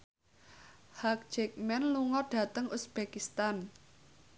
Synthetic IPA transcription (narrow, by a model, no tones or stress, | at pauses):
hak̚d͡ʒɛk̚mɛnluŋɔɖ̥a̤t̪əŋusb̥ekist̪an